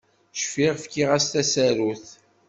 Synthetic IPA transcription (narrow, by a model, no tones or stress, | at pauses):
ʃfiʁfkiʁæst̪æsæɾuθ